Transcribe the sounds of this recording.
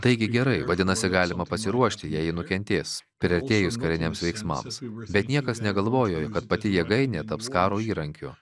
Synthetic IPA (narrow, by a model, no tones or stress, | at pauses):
t̪ɐɪɡʲɪɡʲɛɾɐɪʋɐd̪ʲɪnɐsʲɪɡɑːlʲɪmɐpɐsʲɪɾuɔʃʲt̪ʲɪjɛjɪnʊkʲɛnʲt̪ʲeːspʲɾʲɛɾʲt̪ʲeːjʊskɐɾʲɪnʲɛmsʋʲɛɪksmɐ̰msbʲɛt̪nʲiɛkɐsnʲɛɡɐlˠʋoːjoːjokɐt̪pɐt̪ʲɪjiɛɡɐɪnʲeːt̪ɐpskɑːɾoːiːɾɐŋʲkʲʊ̰